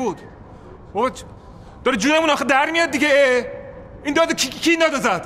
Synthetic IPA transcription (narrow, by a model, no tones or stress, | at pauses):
ud̪̥ | bob | d̪̥ɒɾid͡ʒunemũnɒxed̪æɾmijɒd̪̚d̪iɟee | ind̪ɒd̪kʰikʰind̪ɒd̪ɒzæd̪̥